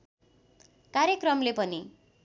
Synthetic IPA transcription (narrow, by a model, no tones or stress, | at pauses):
kaɾjekrʌmlepʌni